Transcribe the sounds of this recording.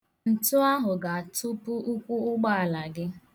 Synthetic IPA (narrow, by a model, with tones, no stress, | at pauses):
n̩˨tʊ˦a˦ɦʊ˨ɡa˨a˨tʊ˦pʊ˦ʊ˦kʷu˦ʊ˦ɡ͡ba˦a˨la˨ɡɪ˦